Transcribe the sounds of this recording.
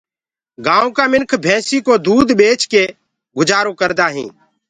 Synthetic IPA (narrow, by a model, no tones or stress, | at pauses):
ɡãːõːkaːmɪnkʰbʱɛ̃ːsiːkoːd̪uːd̪ɓeːt͡ʃkeː | ɡʊd͡ʒaːɾõːkəɾd̪aːɦḭ̃ː